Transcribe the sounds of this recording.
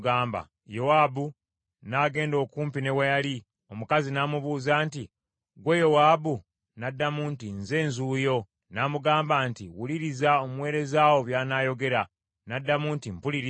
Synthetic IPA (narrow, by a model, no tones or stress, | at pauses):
ɡaːmba̰ | jo̞waːbu | naːɡe̞ːndo̞ːkuːmpine̞wajali | o̞mukazinaːmuβuːzaːnti | ɡwejo̞waːbu | nadːamuntinze̞ːnzuːjo̞ | naːmuɡaːmbaːntiwuliɾizao̞mwe̞ːɾe̞zaːwo̞βjaːnaːjo̞ɡe̞ɾa | nadːamuntimpuliɾi